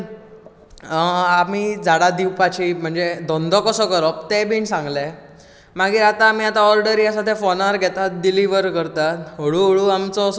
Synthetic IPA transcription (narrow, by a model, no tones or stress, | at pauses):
amid͡zʱaɽad̪iwpat͡ɕim̤əɳd͡zed̪ɔ̃nd̪ʱɔkəsɔkəɾɔp̚t̪ebʱiɳsãŋɡle | maɡiːɾat̪aːmiːat̪aɔɾɖəɾiasat̪efɔnaɾɡʱɛt̪at̪ɖiliʋəɾkəɾt̪aɦoɽuɦoɽuamt͡sɔs